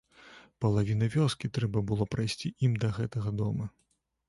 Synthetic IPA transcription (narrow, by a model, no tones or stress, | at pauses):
pɐlˠavʲin̪ɐvʲɔskʲit̪ɾɛbɐbɨlˠɔpɾajsʲt͡sʲiʔimd̪ɐɣɛt̪ɐɣɐd̪ɔmɐ